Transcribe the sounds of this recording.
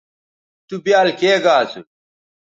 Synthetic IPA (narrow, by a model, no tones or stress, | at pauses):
t̪ubjaːlkeːɡaːsu